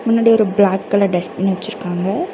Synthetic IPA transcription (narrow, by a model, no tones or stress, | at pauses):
mʊnːaːɽiɔɾɯblaːkːɐlɐɖɛspɪnʋɐt͡ʃːɪɾɯkːaːŋɡɐ